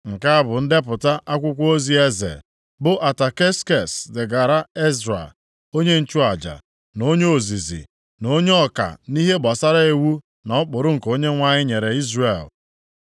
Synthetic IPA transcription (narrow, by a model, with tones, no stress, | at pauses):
ŋ̩˨ka˦a˦bʊ˨n̩˦de˦pʊ˨ta˦ʔa˦kʷʊ˦kʷo˦zi˦e˦zḛ˨ | bʊ˦ʔa˨ta˨ke˦ske˨sdɪ˨ɡa˨ɾa˦e˦zɾa̰˨ | o˦ɲe˦n̩˦t͡ʃu˦a˨d͡ʒa̰˨ | no˦ɲe˦o˨zi˨zḭ˨ | no˦ɲe˦ɔ˦ka̰˨ni˦ɦe˦ba˨sa˦ɾa˦e˨wu˦ | nɔ˨˦k͡pʊ˨ɾʊ˦ŋ̩˨ko˦ɲe˦ŋʷa˦ɲɪ˦ɲe˨ɾe˨i˦zre˨l